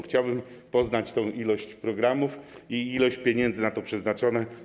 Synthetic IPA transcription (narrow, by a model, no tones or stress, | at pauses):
xt͡ɕawbɘmpɔznat͡ɕt̪ɔ̃w̃ʔilɔɕt͡ɕpɾɔɡɾamufiilɔɕt͡ɕpʲjeɲɛnd̪zɘnat̪ɔpʂɛznat͡ʂɔnɛ